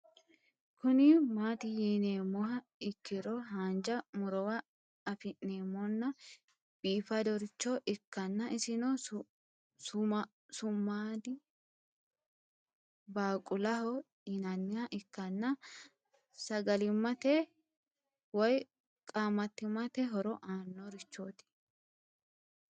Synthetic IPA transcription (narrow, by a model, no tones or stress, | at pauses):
kʰʊnɪmaːt̪ɪjiːneːmːɔhɐ | ɪkːɪɾɔɦaːnd͡ʒɐmʊɾɔwɐ | ɐfɪnːeːmːɔnːɐ | b̥iːfɐd̪ɔɾɪt͡ʃːɔʔɪkːɐnːɐɪsɪnɔ | s | sʊmːaːd̪ɪ | baːkʼʊlɐhɔ | ɪnɐnːɪhɐʔɪkːɐnːɐ | sɐɡɐlɪmːɐt̪ɛ | wɔj | kʼaːmːɐt̪ːɪmːɐt̪ɛɦɔɾɔʔaːnːɔɾɪt͡ʃːoːt̪ɪ̥